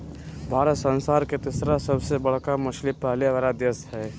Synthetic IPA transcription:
bʱaːɾət̪sə̃nsaːɾket̪ɪsɾasəbsebɐɽ̤kamʊʃlipaːliʋɾad̪əshɛː

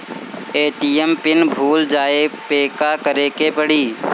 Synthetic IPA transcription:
eːʈiːempɪnbʱuːld͡ʒaːepeːkakəɾeːkepəɽiː

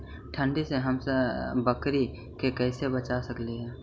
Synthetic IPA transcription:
ʈʰə̃ɳɖiseɦəmsebəkɾi | kekɛːsebət͡ʃasəkleɦɛː

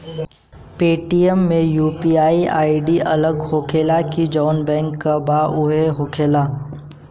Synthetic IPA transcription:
peːʈiəmːẽjuːpiaːia̰ːiɖiʔɐ̰ləɡhoːkʰeːlakid͡ʒɔːnbɛ̃ːŋkːabaʔʊɦeɦoːkʰeːlaː

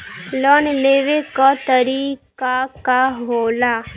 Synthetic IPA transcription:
lɔnneʋekat̪əɾikakaɦɦola

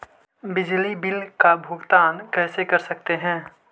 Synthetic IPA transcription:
bɪd͡ʒlibɪlkabʱʊɡt̪aːnkɛːsekɐɾsɐk̚t̪eɦɛ̃ː

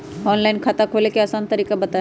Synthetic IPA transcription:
ɔːnlaɪnkʰat̪akʰoːlekeɐsaːnt̪ɐɾiːkabɐt̪a

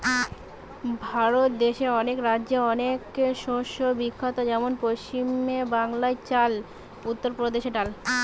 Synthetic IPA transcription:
bʱaɾot̪d̪eʃeɔnekɾaːʑeɔnekʃoʃobikʰːot̪ad͡ʑɛmonpoʃt͡ɕimebaŋlaet͡ɕal | ut̪ːoɾpɾod̪eʃeʈal

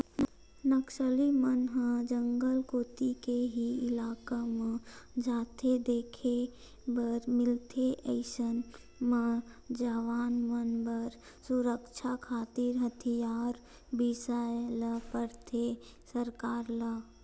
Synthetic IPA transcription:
nəkʃəlimənɦə̃d͡ʒəŋɡəlkoːt̪ikeɦiɪlaːkamə̃d͡ʒaːt̪ʰed̪eːkʰe | bəɾmɪlt̪ʰeʔəɪʃən | mə̃d͡ʒəʋaːnmənbəɾ | sʊɾəkt͡ʃʰakʰaːt̪ɪɾɦət̪ʰijaːɾ | bisajləpəɾt̪ʰe | səɾkaːɾlə

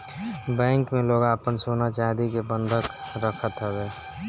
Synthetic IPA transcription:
bɛ̃ːŋkmẽloːɡaəpənsonat͡ʃad̪ikebə̃nd̪ʱəkɾəkʰət̪ɦɛbɛː

